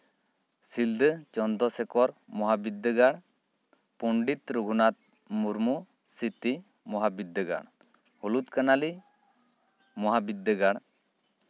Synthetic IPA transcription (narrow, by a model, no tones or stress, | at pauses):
sild̪ət͡ʃɔnd̪ɔsɛkɔɾmɔɦabid̪ːəɡaɽ | puɳɖit̪ɾuɡʱunat̪̚ | muɾmu | sit̪i | mɔɦabid̪ːəɡa̰ɽ | hɔlut̪kanali | mɔɦabid̪ːəɡaɽ